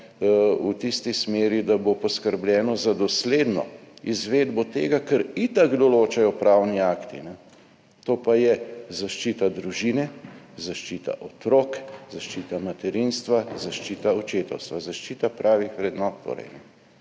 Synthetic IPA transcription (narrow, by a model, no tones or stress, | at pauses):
ut̪ist̪ismeːɾid̪abopɔskəɾblʲɛːnɔzad̪ɔsleːd̪nɔ̰izʋeːd̪bɔt̪eːɡakəɾit̪aɡd̪ɔloːt͡ʃajɔpɾawniaːkt̪ḭnɛ | t̪oːpajɛzaʃt͡ʃit̪ad̪ɾuʒinɛzaʃt͡ʃit̪a̰ʔɔt̪ɾoːkzaʃt͡ʃit̪amat̪ɛɾinst̪ʋazaʃt͡ʃiːt̪aɔt͡ʃeːt̪ɛwst̪ʋazaʃt͡ʃiːt̪apɾaːʋixʋɾɛd̪nɔːt̪ːo̰ːɾɛ̰jnɛ